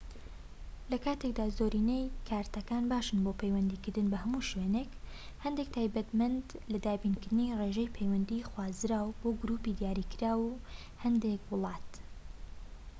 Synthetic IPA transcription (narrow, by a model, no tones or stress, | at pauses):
lɐkaːt̪ʰe̞k̚d̪aːzoːɾinejkʰaːɾt̪ɐkaːnbaːʃɨnboːpʰejwɐnd̪iːkɨɾd̪ɨnbɐhɐmuːʃwenek | hɐnd̪ek̚t̪ʰaːjbɐt̪mɐnd̪lɐd̪aːbinkɨɾd̪ɨnireʒejpʰejwɐnd̪ixwaːzɾaːwboːɡɾuːpid̪jaːɾiːkɨɾaːw | hɐnd̪ekwʊlˠɑːt̪